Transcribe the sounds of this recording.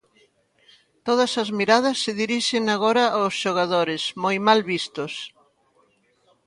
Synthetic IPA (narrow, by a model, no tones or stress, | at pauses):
t̪oð̞ɐsɐzmiɾað̞ɐsːeðiɾiʃeŋaɣ̞oɾɐʔaʊsʃoɣ̞aðoɾɪsmojmalβist̪ʊs